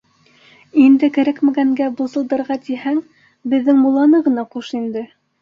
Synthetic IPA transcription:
ind̪ɘkæɾækmæɡæŋɡæbusɤ̆lˠd̪ɤ̆ɾʁɑt̪ihæŋ | bɘ̆ðːɘŋmulˠɑnɤʁɤ̆nɑquʃind̪ɘ

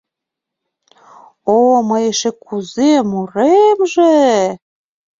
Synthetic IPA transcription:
omɤjeʃĕkuzemuɾemʒe

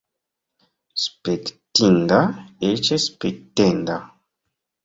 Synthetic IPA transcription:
spektindaet͡ʃespek̚tenda

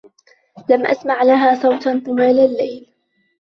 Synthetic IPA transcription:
lamʔa̰smaʕlaɦaːsˤɑwt̪nt̪ˤɨwaːlalːajl

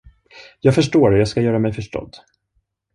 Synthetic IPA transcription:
jɑːɡfœʂʈoːɾɛjɑːɡskajœːɾamɛjfœʂʈɔ̰d̪

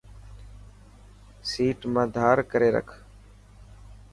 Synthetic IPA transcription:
siːʈmãːd̪ʱaːɾkəɾeːɾə̰kʰ

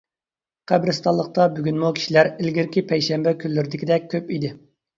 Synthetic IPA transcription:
qʰæbɾɪst̪ɑlˠːəq̚t̪ɑbyɡʲynmukʲi̥ʃilæɾɪlɡʲiɾkʲʰipʰɛjʃɛmbɛkʲʰylːyɾɪd̪ɪkʲid̪ɛk̚ʲʰːøpid̪ɪ

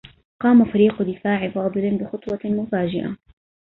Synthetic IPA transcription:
qɑːmafaɾiːqʊd̪ɪfaːʕɪfɑːd̪ˤɨlbɪxʊt̪ˤwɑmʊfaːd͡ʒɪʔa̰

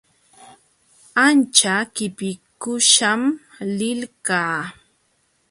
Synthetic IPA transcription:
ant͡ʃakɪpɪkʊʃam | lɪlkaː

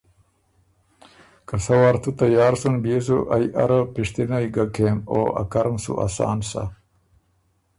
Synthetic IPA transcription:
kasɐwaɾt̪ut̪ajaːɾsunbiezuʔajʔa̰ɾapiʂt̪inajɡakʰeːmo̰ːʔa̰kaɾmsṵʔa̰sɑ̰ːnsa̰

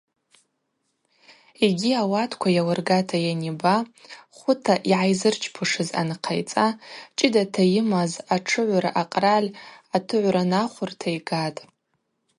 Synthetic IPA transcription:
eɡʲiawatʰkʷʰajawarɡatʰajanibaχʷʊtʰaʔiʕajzɨrt͡ʃʰpʰɨʂɨza̰nqʰa̰jt͡sʼat͡ʃʼɪdatʰajɪmazaʈ͡ʂʰɨʕʷɾaʔaqʼralʲatʰɨʕʷɾanaχʷʊrtʰajɡatʼ

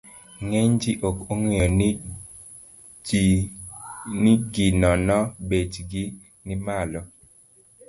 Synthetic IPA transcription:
ŋeɲd͡ʒiʔokoŋejɔ | niɡinɔnɔbed͡ʒɡi | nɪmalɔ

